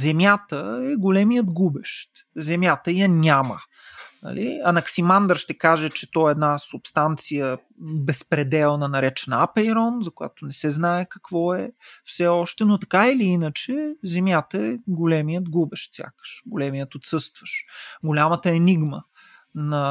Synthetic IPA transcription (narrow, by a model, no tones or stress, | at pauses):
zɛmʲjat̪əɛɡolɛmijəd̪ɡubɛʃt̪zɛmjat̪əjənʲamə̰ | nɐ̰lʔḭɐnɐksimand̪əɾʃt̪ɛkaʒɛt͡ʃɛt̪ɔɛɛd̪nasʊpst̪ant̪sijə | bɛspɾɛd̪ɛlˠnɐnɐɾɛt͡ʃɛnapɛiɾɔnzɐkʊja̰t̪oʊnɛsɛznaɛkɐkvɔɛfsɛɔʃt̪ɛnot̪ɐ̥kailiinət͡ʃɛzɛmjat̪əɛɡolɛmijət̪ɡubɛʃt̪sʲja̰kə̥ʃɡolɛmijət̪ot̪sɤst̪vəʃɡolʲamət̪əɛniɡmə | nɐ